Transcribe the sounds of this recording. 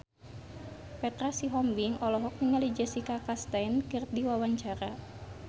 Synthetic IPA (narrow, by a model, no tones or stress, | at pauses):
pɛt̪ɾasiɦɔmbiŋɔlɔɦɔk̚nəŋalid͡ʒasikakast̪ajnkɨrdiwawaɲt͡ʃaɾa